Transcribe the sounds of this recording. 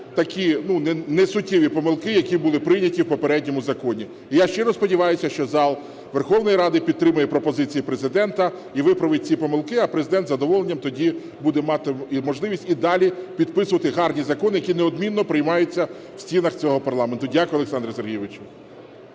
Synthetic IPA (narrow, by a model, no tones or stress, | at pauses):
t̪ɐkʲinunɛnɛsʊtʲːiʋʲipɔmɪlˠkɪjɐkʲibʊlˠɪpɾɪjnʲɐtʲiwpɔpeɾɛdʲnʲɔmʊzɐkɔnʲi | ijaʃt͡ʃɛɾɐspɔdʲiʋɑjʊsʲɐʃt͡ʃɔzɑlˠ | ʋerxɔwnɔjɾɑd̪ɪpʲidt̪t̪ːɾɪmʊjɛpɾɔpɔzɪt͡sʲijipɾezɪd̪ɛnt̪ɐ | iʋɪpɾɐʋɪt̚ʲt͡sʲipɔmɪlˠkɪɐpɾezɪd̪ɛnt̪zɐd̪ɔʋɔlˠenʲːɐmt̪ɔdʲi | bud̪ɛmɑt̪ɪmɔʒlˠɪʋʲisʲtʲid̪ɑlʲipʲid̪̚pɪsʊʋɐt̪ɪɦɑrnʲizɐkɔnɪjɐkʲinɛɔd̪mʲinːɔpɾɪjmɑjʊt͡sʲːɐ | wsʲt͡sʲinɐxt͡sʲɔɦɔpɐrlˠɑment̪ʊdʲakʊjɔlˠeksɑnd̪ɾɐserɦʲijʋɪt͡ʃʊ